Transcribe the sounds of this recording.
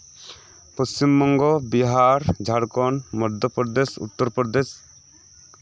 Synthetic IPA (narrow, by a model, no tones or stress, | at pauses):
pəst͡ʃimːɔŋɡɔbiɦaɾd͡ʒʱaɽkɔnmɔɾd̪ʱjɔpɔɾd̪esṵt̪ːɔɾpɔɾɔd̪es